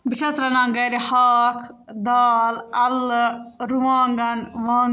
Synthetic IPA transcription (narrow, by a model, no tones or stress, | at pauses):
biʃɐsɾɐnãːŋɡɐːɾihaːkʰd̪aːlɐl | ɾuwaːŋɡɐnʋaː